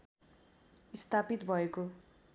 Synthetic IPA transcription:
ist̪ʰapit̪bʱʌeko

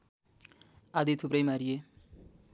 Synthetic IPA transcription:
ad̪it̪ʰupɾʌjmaɾije

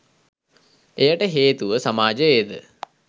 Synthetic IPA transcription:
ejaʈəɦeːt̪uʋəsamaːd͡ʒəed̪ə̰

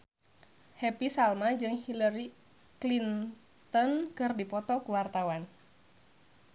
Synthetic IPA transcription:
hɛpisalmad͡ʒɨŋhilaɾi | klin | t̪ɔnkɨrdipɔt̪ɔkuwart̪awan

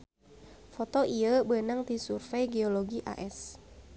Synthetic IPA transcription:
fɔt̪ɔʔiəbənaŋt̪isurfɛjɡeoloɡiʔa̰ʔɛs

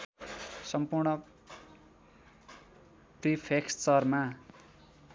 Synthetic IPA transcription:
sʌmpurɳʌ | ʈripʰekst͡sʌrma

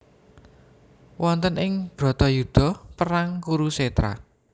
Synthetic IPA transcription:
wɔnt̪ənɪŋb̥ɾɔ̤t̪ɔjud̪̥ɔ̤pəɾaŋkuɾuset̪ɾa̰

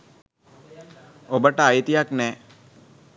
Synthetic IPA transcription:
obəʈəajit̪ijaknɛː

